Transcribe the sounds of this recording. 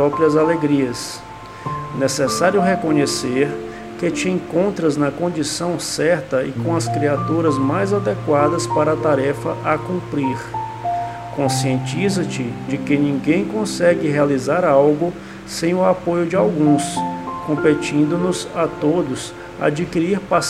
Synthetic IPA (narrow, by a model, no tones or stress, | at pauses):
ɔpɾiɐzaleɡɾiɐs | nesɛsaɾjʊɦekõɲeseɾ | kɪt͡ʃɪẽkõnt̪ɾɐznɐkõnd͡ʒisɐ̃w̃sɛɾt̪ɐɪ̰kõɐskɾiat̪uɾɐzmajzad̪ekwad̪ɐspaɾɐːt̪aɾɛfɐʔakũmpɾiɾ | kõsiẽnt͡ʃizɐt͡ʃɪd͡ʒɪkɪnĩɡẽj̃kõsɛɡɪɦealizaɾawɡʊ | sẽj̃ʊapojʊd͡ʒɪawɡũskõpet͡ʃĩnd̪ʊnʊzat̪od̪ʊs | a̰d͡ʒikiɾiɾpa